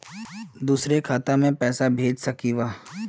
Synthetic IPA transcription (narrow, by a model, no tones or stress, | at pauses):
d̪uːsɾekʰaːt̪amẽpɛːsabʱeːd͡ʒsɐkiʋaː